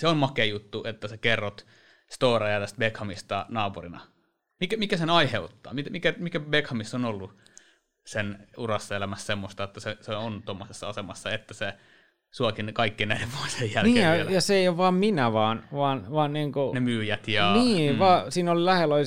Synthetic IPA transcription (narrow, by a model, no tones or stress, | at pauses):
seommɑkejut̪ːuʔet̪ːæsekerːot̪ | st̪oːrɑjɑt̪æst̪̚bekhɑmist̪ɑnɑːpurinɑ̰ | mikæmikæsenɑiheut̪ːɑ̰ːmit̪æmikæmikæbekhɑmisːonolːu | senurɑsːelæmæssemːost̪ɑet̪ːæseseont̪omːosesːɑɑsemɑsːɑet̪ːæse | suɑkinkɑikːiːnæileʋʋuosejjælniːejɑjɑseeˑijoʋʋɑːmminæʋɑːnʋɑːnʋɑːnniːŋkunemyːjæt̪jɑniːʋɑːsiːnolilæhelolʲ